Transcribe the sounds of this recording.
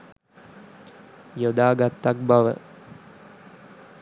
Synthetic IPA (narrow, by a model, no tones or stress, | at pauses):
jod̪aːɡat̪ːak̚baʋə̰